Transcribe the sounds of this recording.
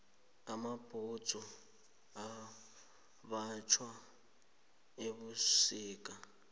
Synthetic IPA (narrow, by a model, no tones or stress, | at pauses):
amab̥ʱut͡sɔ | a | βat͡ʃʰwa | eβusiːkʼa